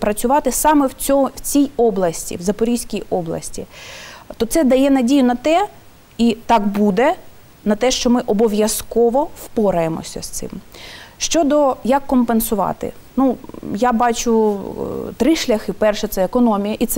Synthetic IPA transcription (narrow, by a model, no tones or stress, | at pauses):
pɾɐt͡sʲʊʋɑt̪ɪsɑmɛwʲɔwt͡sʲijɔblˠɐsʲtʲḭwzɐpɔɾʲijsʲkʲijɔblˠɐ̰sʲtʲit̪ɔt̪sɛd̪ɐjɛnɐdʲijʊnɐt̪ɛ | it̪ɑkbud̪ɛ | nɐt̪ɛʃt͡ʃɔmɪʔɔbɔʋʲjɐskɔʋɔwpɔɾɐjemɔ̰sʲɐ̰st̪sɪ̰mʃt͡ʃɔd̪ɔjɐkːɔmpensʊʋɑ̰t̪ɪ̰ | nujabɑt͡ʃʊ | t̪ɾɪʃlʲɐxɪpɛrʃɛt̪sɛekɔnɔmʲijɐʔit̪sɛ